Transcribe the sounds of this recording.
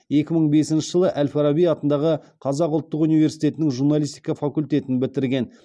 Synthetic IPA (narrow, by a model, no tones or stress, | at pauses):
je̞kʲɪməɴbe̞sɪnʃɪʒəlˠəʔælfɑɾabijɑt̪ənd̪ɑʁə | qʰɑzɑqʊlˠt̪ːəqunijve̞ɾsijt̪e̞t̪ɪnɪŋʒurnalʲijst̪ijkɑfakulʲt̪e̞t̪ɪnbɪt̪ɪɾɡʲe̞n